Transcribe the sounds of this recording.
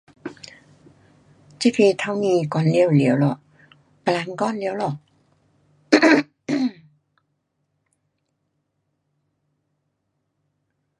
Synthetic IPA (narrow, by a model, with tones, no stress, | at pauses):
t͡ɕi˧˥pʰi˧t̪ʰa˧˩wniː˧˩kɔː˧˩nli˧˩ə˨wli˨˦ə˧wlɔ˨˩ʔ | pa˧la˨˧˥ŋkɔː˧˥˨nli˨˦ə˦wlɔ˨˩ʔ̚